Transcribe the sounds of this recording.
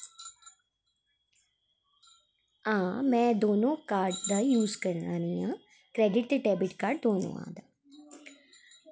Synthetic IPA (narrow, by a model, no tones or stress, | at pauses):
ãːmɛ̃ːd̪oːnõːkaːɾɖd̪aːjuːzkəɾaːniːãː | kɾɛːɖɪʈd̪eʈɛːbɪʈkaːɾɖ̚d̪oːnõ̰ːã̰ːd̪aː